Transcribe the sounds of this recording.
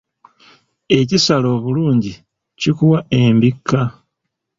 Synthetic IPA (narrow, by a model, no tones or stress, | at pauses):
e̞cisalo̞ːβuluːɲɟi | cikuwae̞mbikːa